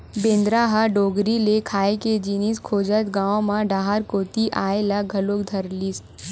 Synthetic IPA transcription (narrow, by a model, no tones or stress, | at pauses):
bẽːnd̪ɾaːɦaɖoːɡɾilekʰaːeked͡ʒiːniskʰoːd͡ʒət̪ɡãːõmãɖaːɦaɾkoːt̪iʔaːelaɡʱɐloːkd̪ʱɐɾlis